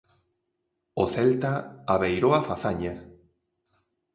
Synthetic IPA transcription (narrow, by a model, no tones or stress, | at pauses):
oθɛlt̪aaβejɾoafaθaɲa